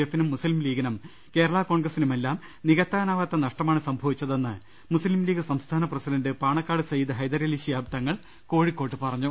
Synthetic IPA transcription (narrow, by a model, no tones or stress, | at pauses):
efːinumːuslmliːɡɐnɐm | ke̞ːɾɐɭako̞ːɳɡrɐsinume̞lːaːm | niɣɐt̪ːaːnaːʋɐt̪ːɐnɐʂʈɐmaːɳɨsɐmbʱɐʋit͡ɕːɐðe̞nːɨ | muslimliːɡɨsɐmst̪ʰaːnɐprɐsidɐndɨpaːɳɐkːaːɽɨsɐjid̪ɨɦɐjd̪ɐɾeliɕijaːbt̪ɐŋːɐɭ | ko̞ːɻikːo̞ːʈːɨpɐrɐɲːu